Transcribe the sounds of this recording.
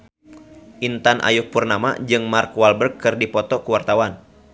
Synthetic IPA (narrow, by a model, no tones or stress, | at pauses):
ʔint̪anʔa̰jʊk̚purnama̰d͡ʒɨŋmarkwalbərkːɨrdipɔt̪ɔkuwart̪awan